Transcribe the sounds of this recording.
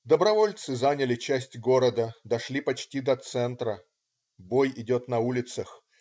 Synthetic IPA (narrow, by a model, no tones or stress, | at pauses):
d̪əbɾɐvo̞lʲt̪sɨzanʲɪlʲɪt͡ɕæsʲtʲɡo̞ɾəd̪əd̪ɐʂlʲipɐt͡ɕtʲid̪ɐt̪sɛnt̪ɾə | bo̞jɪdʲo̞t̪nɐulʲɪt̪səx